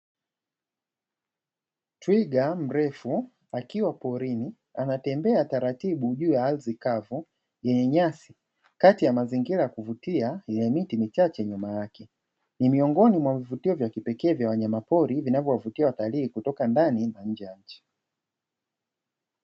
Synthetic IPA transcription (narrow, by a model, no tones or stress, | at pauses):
twiɡam̩ɾɛfu | akiwapɔɾini | anatɛmbɛataɾatiɓuʄuːjaalzikavu | jɛɲɛɲasi | katijamaziŋɡiɾajakuvutiailɛmitimit͡ʃat͡ʃɛɲumajakɛ | nimiɔŋɡɔnimwavivutiɔvjakipɛkɛːvjawaɲamapɔɾivinavjɔwavutiawataliːkutɔkandanimaɲ̩d͡ʒɛjaɲ̩t͡ʃi̥